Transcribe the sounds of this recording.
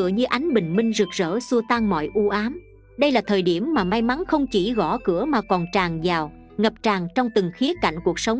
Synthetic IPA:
ɨ̰˧˩˨əɲɨ˧ʔa˨˦jŋ̟ɓï˨˩ŋ̟mï˧ŋ̟zɨ˨˩k̚z̥ə̰ː˧˥su˧ət̪aː˧ŋmɔ̰˧˨jʔu˧ʔaː˨˦m | ɗə˧jlaː˨˩t̪ʰəː˨˩jɗi˧˩əmːaː˨˩ma˧jma˨˦nxə˧wŋ͡mt͡ɕi˧˩ɣɔ˧˩kɨ˧˩əmaː˨˩kɔ˨˩nt͡ɕaː˨˩ŋzaː˨˩w | ŋə˨˩p̚t͡ɕaː˨˩ŋt͡ɕɔ˧wŋ͡mt̪ɨ˨˩ŋxi˨˦əka̰˧˩jŋ̟ku˨˩ək̚sə˨˦wŋ͡m

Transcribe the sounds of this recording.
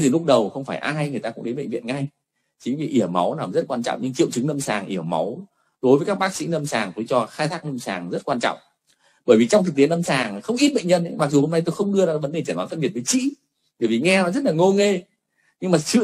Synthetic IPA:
zi˨˩lʊ˦˥k͡p̚ɗə˨˩wxə˧wŋ͡mfaː˧˩jʔaː˧jŋɨ˨˩t̪aː˧ʊ̰˧˥ŋ͡mɗə˨˦ɓə̰˧˨ŋvḭ˧˨ənŋa˧j | t͡ɕi˨˦vḭ˨˩ʔi˧˩əwma̰˨˦wnaː˨˩mzə˦˥t̚kwaː˧nt͡ɕɔ̰˧˨ŋ͡mɲɨ˧ŋt͡ɕḭ˧˨wt͡ɕɨ˨˦ŋnə˧msaː˨˩ŋʔi˧˩əwma̰˨˦w | ɗo˨˦jvə˨˦kaː˦˥kɓaː˦˥k̚sḭ˧˥nə˧msaː˨˩ŋt̪ɨ˨˦jt͡ɕɔ˧xaː˧jt̪ʰaː˦˥k̚nə˧msaː˨˩ŋzə˦˥t̚kwaː˧nt͡ɕɔ̰˧˨wŋ͡m | ɓəː˧˩jvi˨˩t͡ɕwŋ͡mt̪ɨ˨˩t̪i˨˦ənə˧msaː˨˩ŋxə˧wŋ͡mʔi˦˥t̚ɓə̰˧˨ŋ̟ɲə̰˧n˨˦ma˨˩k̚zu˨˩ho˧mna˧jt̪o˧jxə˧wŋ͡mɗɨ˧əzaː˨˦və˨˦nɗe˨˩t͡ɕə˧˩nwaː˨˦fʰə˧ɓi˨˩ət̚və˨˦jt͡ɕḭ˧˥ | ɓəː˧˩jvi˨˩ŋɛ˧nɔ˨˦zə˦˥t̚laː˨˩ŋo˧ŋe˧ | ɲɨ˧ŋmaː˨˩sɨ̰˧˨

